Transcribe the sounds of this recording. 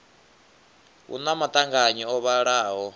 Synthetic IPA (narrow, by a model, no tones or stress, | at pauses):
ṵnamat̪ʼaŋɡaɲiɔβaɺaːɦɔ